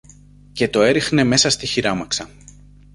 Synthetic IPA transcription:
ce̞t̪o̞e̞ɾixne̞me̞sɐst̪içiɾɐmɐksɐ

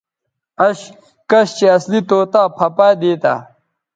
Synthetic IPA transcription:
ɐɕ | kɐɕt͡ɕeɐslit̪oːt̪aːpʰɐpaːd̪eːt̪a̰ː

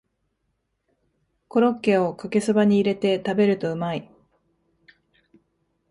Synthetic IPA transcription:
ko̞ɾo̞kːe̞o̞kake̞sɨbaɲ̟iːɾe̞t̪e̞t̪abe̞ɾɯ̟t̪o̞ɯ̟mai

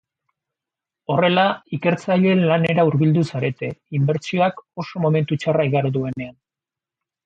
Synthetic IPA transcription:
o̞re̞laike̞ɾt͡saʎe̞nlane̞ɾauɾβild̪usaɾe̞t̪e̞imbe̞ɾt͡sio̞ako̞so̞mo̞me̞nt̪ut͡ʃaraiɣaɾðue̞ne̞an

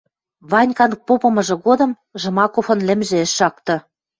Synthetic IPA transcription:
βɑnʲkɑnɤ̆k̚popɤ̆mɤ̆ʒɤ̆ɣod̪ɤ̆m | ʒɤ̆mɑkofɤ̆nlʲɘ̆mʒĕeʃːɑk̚t̪ɤ̆

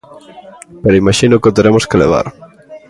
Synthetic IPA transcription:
peɾoimaʃinʊkot̪eɾemʊskelḛβ̞a̰ɾ

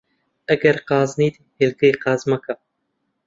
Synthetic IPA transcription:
ɛɡɛɾqɑːzniːd̪ihelɡɨiqɑːzmɑka

